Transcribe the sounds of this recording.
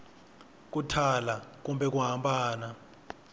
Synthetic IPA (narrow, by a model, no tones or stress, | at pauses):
k̬ʼutʰalak̬umbɛk̬uɦampʼaːna